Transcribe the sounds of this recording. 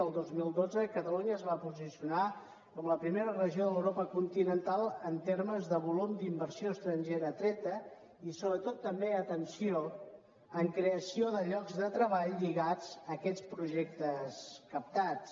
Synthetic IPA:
əlˠd̪ozmilˠd̪od͡zəkət̪əluɲəːzβapuzisiuna | kɔmləpɾimeɾərəʒioðələwɾopəkunt̪inənt̪alˠənt̪eɾməzðəβulumd̪imbəɾsioəst̪ɾəɲʒeɾət̪ɾɛt̪ə | isoβɾət̪ot̪ːəmbeət̪ənsio | əŋkɾeəsioðəʎɔɡzðət̪ɾəβaʎʎiɣad͡zəkɛt͡spɾuʒɛk̚t̪əskəp̚t̪at͡s

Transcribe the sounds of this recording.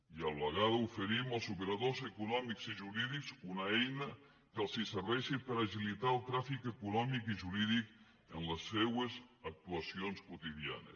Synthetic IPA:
ialləɣaðufəɾiməlˠzupeɾaðozekunɔmikziʒuɾiðikzunaɛjnə | kəlˠsisəɾβɛʃipəɾaʒilit̪alˠt̪ɾafikəkunɔmikiʒuɾiðik | ənləsːewezak̚t̪uasionskut̪iðija̰nḛs

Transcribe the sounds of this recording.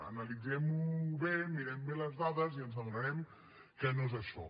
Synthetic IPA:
ə̰nəlid͡zɛmuβemiɾɛmbeləzðaðəziənzəmɾəɾɛm | kɛnozəʃɔ̰

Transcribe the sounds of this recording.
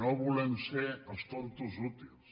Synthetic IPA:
oβulɛmseəst̪oɾt̪uzut̪ils

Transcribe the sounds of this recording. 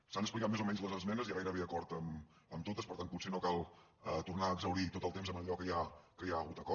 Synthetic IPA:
sanəsplikat̪mezomɛɲzləzəzmɛnəziaɣajɾəβeəkɔɾt̪əm | əmt̪ot̪əspəɾt̪anput̪senokalˠ | ət̪urnaːɡzəwɾit̪ot̪əlˠt̪emzəməʎɔkəjakəjaəɣut̪əkɔ

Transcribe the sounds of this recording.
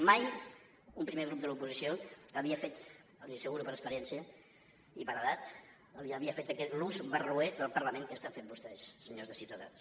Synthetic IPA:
maj | umpɾimeɣɾup̚d̪əlupuzisioəβiəfet̪ | əlˠzisəɣuɾupəɾəspəɾjɛnsiə | ipəɾəðat̪ | əlˠziəβiəfet̪kɛt̪luzβərueðəlˠpəɾləmẽŋkəst̪afet̪̚bust̪ɛssəɲozðəsiuwt̪əða̰ns

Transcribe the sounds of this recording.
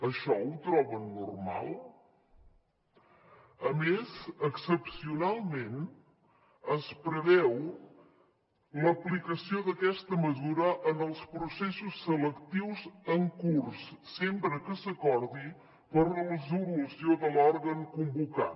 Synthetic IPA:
əʃɔut̪ɾɔβənːurma̰lˠ | əmezəksəpsiunalˠmen | əspɾəβɛw | ləplikəsioðəkɛst̪əməzuɾəʔənəlˠspɾusesusːələkt̪iwzəŋkursːempɾəkəsəkɔɾði | pəɾrərəzulusioðəlɔɾɣəŋkumbuka̰

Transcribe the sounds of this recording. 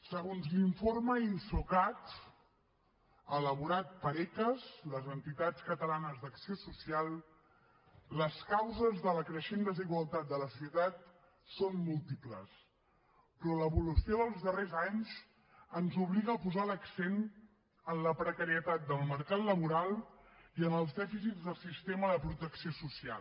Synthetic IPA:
səɣonzliɱforməinsukat̪ | ələβuɾat̪̚pəɾɛkəsləzənt̪it̪at͡skət̪əlanəzd̪əksiosusialˠ | ləskawzəzðələkɾəʃend̪əziɣwəlˠt̪at̪̚d̪ələsiut̪at̪̚ | sonmulˠt̪ipləs | pɾɔləβulusioðəlˠzðərezaɲz | ənzuβliɣəːpuzaləksen | ənləpɾəkəɾiət̪at̪̚d̪əlˠməɾkat̪ləβ̞uɾalˠiənəlˠzd̪ɛfisidzðəlˠsist̪eməðəpɾut̪əksiosusia̰l

